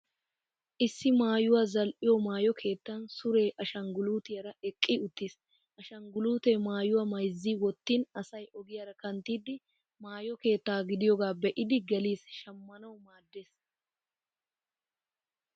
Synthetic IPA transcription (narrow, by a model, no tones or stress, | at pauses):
ʔɪsːɪmaːjʊwazɐlʔɪjomaːjɔkʰe̞ːt̪ːɐnsʊɾe̞ːʔɐʃɐŋɡʊluːt̪ɪjɐɾɐɛkʼːiʊt̪ːiːs | ʔɐʃɐŋɡʊluːt̪eːmaːjʊwɐmɐjzːiːwɔt̪ːiːnɐsɐjʔɔɡɪjɐɾɐkɐnt̪ːiːd̪ɪ | maːjɔke̞ːt̪ːaːɡɪd̪ɪjɔɡaːbɛʔɪd̪ɪɡɐliːsʃɐmːɐnɐwmaːd̪ːeːs